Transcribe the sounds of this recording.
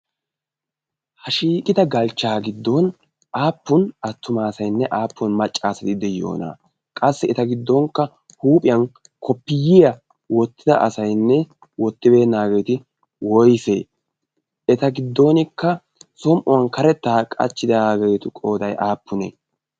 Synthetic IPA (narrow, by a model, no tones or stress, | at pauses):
hɐʃiːkʼɪd̪ɐɡɐlt͡ʃːaːɡɪd̪ːon | ʔaːpːʊnɐt̪ːʊmaːsɐjnːɛʔaːpːɔnmɐt͡ʃʼːaːsɐt̪ɪd̪ɛjːo̰ːna̰ː | kʼɐsːɛɛt̪ɐɡɪd̪ːɔŋkːɐ | huːpʼɪjɐn | kʰɔpːɪjɪjɐ | wɔt̪ːɪd̪ɐʔɐ̰sɐjnːɛ | wɔt̪ːɪbe̞ːnːaːɡe̞jt̪ɪ | wɔjfeː | ɛt̪ɐɡɪd̪ːo̞ːnɪkːɐ | sɔmʔʊwɐnkɐɾɛt̪ːaːkʼɐ̰t͡ʃːɪd̪ɐɡejt̪ʊkʼo̞ːd̪ɐjʔaːpːʊnɛ̰